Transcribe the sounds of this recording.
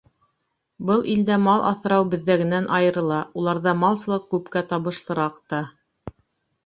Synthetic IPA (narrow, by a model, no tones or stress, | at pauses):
bɤlˠʔild̪æmɑlˠʔɑ̰θɤ̆ɾɑwbɘ̆ðːæɡɘ̆nænʔɑjɤ̆ɾɤ̆lˠɑulˠɑɾðɑmɑlˠsɤ̆lˠɤq̚kʉpkæt̪ɑβɤ̆ʃlˠɤ̆ɾɑqt̪ɑ